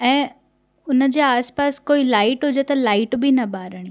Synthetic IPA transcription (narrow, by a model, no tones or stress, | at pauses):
ɛ̃ː | ʊnəd͡ʑeːaːspaːskoːilaːɪʈɦʊd͡ʑet̪ɐlaːɪʈbʱinɐbaːɾəɽ̃i